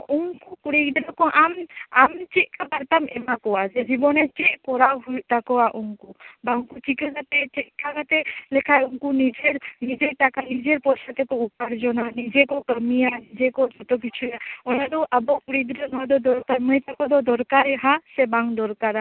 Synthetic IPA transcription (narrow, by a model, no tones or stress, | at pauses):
ʔuŋkukuɽiɡd̪ɾakɔ̃ʔamamt͡ʃiʔkabəɾt̪amɛmakɔad͡ʒɛd͡ʒibɔnɛt͡ʃɛʔkɔɾaɦujt̪akɔaʔuŋkubaŋkut͡ʃikaɡat̪ɛt͡ʃɛkaɡat̪ɛlɛkʰajuŋkunid͡ʒeɾnid͡ʒeʈakanid͡ʒeɾpɔsat̪ɛkɔupaɾd͡ʒɔnanid͡ʒekɔkəmijanid͡ʒekɔd͡ʒɔt̪ɔk̬it͡ʃʰujaɔnad̪ɔʔəbɔkuɽid̪ɾanɔd̪ɔd̪ɔɾkaɾməjt̪akɔd̪ɔd̪ɔɾkaɾɛɦasɛbaŋd̪ɔɾkaɾa